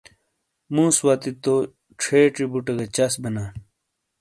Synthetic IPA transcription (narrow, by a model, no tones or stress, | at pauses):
mũːswaːt̪it̪o | ʈ͡ʂʰeːʈɾibuʈɐɡɐt͡ɕɐsbɐnaː